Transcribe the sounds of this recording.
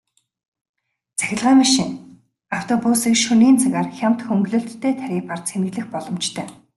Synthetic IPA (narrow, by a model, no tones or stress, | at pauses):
t͡sæ̥xʲɪ̆ɮʁaːmaʃɪ̆ŋ | aw̥t̪ʰɔpusiːkʃuniːnt͡saɣaːrxʲam̥t̪xɵŋɡɮŏːɬt̪ʰːeːt̪ʰæɾʲiːpar̥t̪t͡sʰenɘ̆ɣɮɘ̆xpɔɮɞ̆mt͡ɕt̪ʰœː